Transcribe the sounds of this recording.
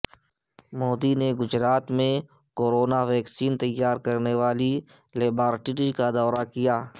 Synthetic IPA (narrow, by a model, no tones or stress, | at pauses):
moːd̪ineɡʊd͡ʒɾaːt̪mẽ | koːɾoːnaʋɛːksiːnt̪ɐjːaːɾkəɾneʋaːli | leːbaːɾʈiɾikad̪ɔːɾakɪjaː